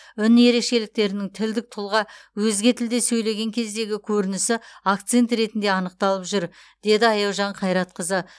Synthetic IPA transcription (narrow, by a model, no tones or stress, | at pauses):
ʏnje̞ɾe̞kʃe̞lɪk̚t̪e̞ɾɪnɪŋt̪ʰɪld̪ɪk̚t̪ʰʊlˠʁɑwɵzɡʲe̞t̪ʰɪld̪e̞sɵjle̞ɡʲe̞ŋkʲʰe̞zd̪e̞ɡʲɪkʲʰɵɾɪnɪsɪakt̪se̞nt̪ɾe̞t̪ɪnd̪e̞ɑnəqt̪ɑlˠəpʒʏɾd̪̥e̞d̪ɪɑjɑwʒɑɴqʰɑjɾɑt̪̚qəzə